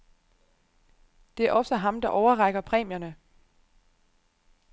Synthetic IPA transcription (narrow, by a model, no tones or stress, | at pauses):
d̥e̝æɐʔɒ̽səɦɑ̈md̥ɑ̈ʔɒʊɐʁɑɡ̥ɐpʰʁɛ̰ːmjɐnə